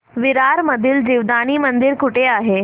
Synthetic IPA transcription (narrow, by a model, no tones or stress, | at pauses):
ʋiɾaɾməd̪ʱiːld͡ʑiʋd̪aɽ̃iːmənd̪iɾkuʈʰeaɦe